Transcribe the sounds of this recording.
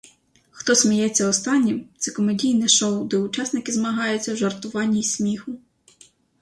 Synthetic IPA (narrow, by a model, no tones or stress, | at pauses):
xt̪ɔsʲmʲijɛt͡sʲːɐɔst̪ɑnʲːimt̪sɛkɔmedʲijnɛʃɔwd̪ɛʊt͡ʃɑsnɪkɪzmɐɦɑjʊt͡sʲːɐwʒɐrt̪ʊʋɑnʲːijsʲmʲixʊ